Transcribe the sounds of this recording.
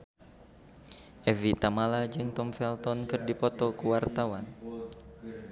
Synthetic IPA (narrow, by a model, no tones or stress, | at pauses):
ʔɛvit̪amalad͡ʒɨŋt̪ɔmfɛlt̪ɔnkɨrdipɔt̪ɔkuwart̪awan